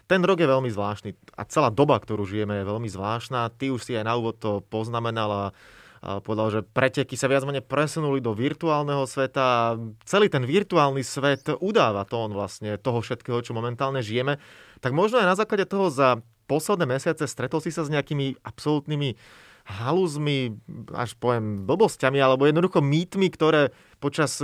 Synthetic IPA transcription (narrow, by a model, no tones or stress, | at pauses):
t̪ɛnɾɔɡjɛʋɛʎmizʋlaːʃnia̰t͡sɛlaːd̪ɔbakt̪ɔɾuːʒijɛmɛjɛʋɛʎmizʋlaːʃnaːt̪iuʃsiajnauːʋɔt̪ːɔpɔznamɛnala | pɔʋɛd̪alʒɛpɾɛcɛkisaʋɪad͡zmɛɲɛpɾɛsunulid̪ɔʋiɾt̪uaːlnɛɦɔsʋɛt̪aːt͡sɛliːt̪ɛnʋiɾt̪uaːlnisʋɛt̪ud̪aːʋat̪ɔːnʋla̰sɲɛt̪ɔɦɔfʃɛt̪kɛːɦɔt͡ʃɔmɔmɛnt̪aːlɲɛʒijɛmɛt̪aɡmɔʒnɔajnazaːklaɟɛt̪ɔɦɔza | pɔslɛd̪nɛːmɛsɪat͡sɛst̪ɾɛt̪ɔlsisazɲɛakiːmiapsɔlut̪nimi | ɦaluzmia̰ʃpɔʋɛmbl̩bɔscamialɛbɔjɛd̪nɔd̪uxɔmiːt̪mikt̪ɔɾɛː | pɔt͡ʃas